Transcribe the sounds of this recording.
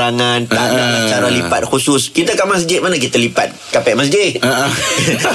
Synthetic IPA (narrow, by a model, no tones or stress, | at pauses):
aŋãnt̪adaat͡ʃaɾalipa̰t̪̚xusʊskit̪əkamas̬d͡ʒiɪt̪̚manak̬it̪əlipa̰t̪̚kapɛʔ̚mas̬d͡ʒɪtt̪̚əʔ